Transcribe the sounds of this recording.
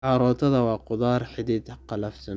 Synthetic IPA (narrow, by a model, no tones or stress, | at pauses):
ʕɑɾɔːt̪ʰɐðɐwɑːqʊðaːrħɪd̪iːd̪qɑlɐfsɐn